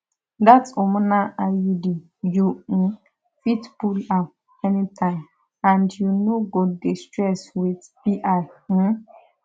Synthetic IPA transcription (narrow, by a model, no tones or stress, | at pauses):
datɔmʊ̃nãajidi | jun̩ | fitbula | ɛnĩtʰãɪ̃m | ãndjunoɡɔdestɹɛswiθbiʔaɪm̩